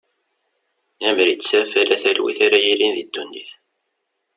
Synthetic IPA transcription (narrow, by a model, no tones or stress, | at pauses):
æmɾitːsæfælæθælwḭθaɾæjilinðid̪ːund̪iθ